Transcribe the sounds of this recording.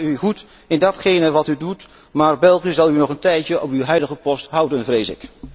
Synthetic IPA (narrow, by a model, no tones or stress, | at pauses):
yχut | ɪndɑtχejnəʋɑtydut | maːɹbɛlˠχiəzɑlˠynɔχəntɛjtəʔɔpywɦœɥdəχəpɔstɦʌwdənvrejsɪ̰k